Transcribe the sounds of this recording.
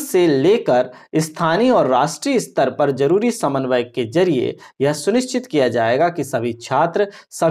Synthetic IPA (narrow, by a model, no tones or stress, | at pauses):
seleːkəɾɪst̪ʰaːniɔːɾːaːʃʈɾiəɪst̪əɾpɐɾd͡ʒɐɾuːɾisɐmənʋəjked͡ʒɐɾiḛjɐɦsʊnɪʃt͡ʃɪt̪kijad͡ʒaːeːɡakisɐbʱit͡ʃʰaːt̪ɾəsɐ